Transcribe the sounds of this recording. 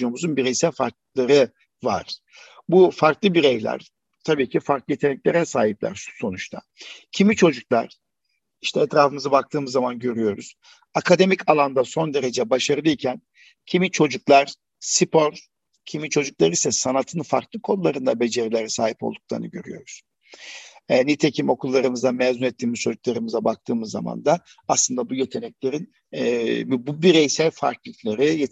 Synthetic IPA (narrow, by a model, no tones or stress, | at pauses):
omuzunbiɾejsælʲfaɾk̚lˠaɾɯ | va̰ɾ̥ | bufaɾklˠɯbiɾejlʲæ̰ɾ | t̪ʰabiːcʰifaɾklˠɯjet̪ʰenɛclʲeɾɛsaːɦiplʲæ̰ɾʃu̥so̞nut͡ʃt̪ʰa̰ | cʰimit͡ʃʰo̞d͡ʒuklˠa̰ɾ̥ | iʃt̪ʰɛɛt̪ɾaːfɯmɯzabak̚t̪ʰɯːmɯzːamanɟø̞ɾyjo̞ɾuz̥ | akʰad̪e̞micʰalˠand̪aso̞nd̪e̞ɾe̞d͡ʒɛbaʃaɾɯlˠɯicʰæn | cʰimit͡ʃʰo̞d͡ʒuklˠaɾ̥ | sipʰo̞ɾ | cʰimint͡ʃʰo̞d͡ʒuklˠaɾisɛsanat̪ʰɯnfaɾklˠɯkʰo̞nlˠːaɾɯnd̪abe̞d͡ʒe̞ɾilʲeɾɛsaːɦipolˠd̪uk̚lˠa̰ɾnɯ̰ɟø̞ɾy̰jo̞̰ɾuz̥ | ɛnit̪ʰe̞cʰimo̞kʰulˠːaɾɯmɯzd̪anmɛːzunɛt̪ʰːiːmizt͡ʃʰod͡ʒuklˠaɾɯmɯzabak̚t̪ʰɯːmɯzːa̰ma̰nd̪a | aslˠɯnd̪abujet̪ʰe̞nɛclʲe̞ɾin | bbubiɾejsælʲfa̰ɾklˠɯklʲˠeɾij